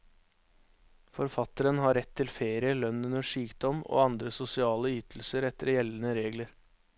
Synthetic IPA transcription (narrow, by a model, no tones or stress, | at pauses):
fɔɾfɑt̪əɾənɦɑɾɛt̪ʰːɪlfeːɾɪəlœnʉnəʂyːkd̪ɔmo̰ːɑnd̪ɾəsʊsɪɑːləyːt̪ʰl̩səɾɛt̪əɾjɛlən̩əɾeːɡləɾ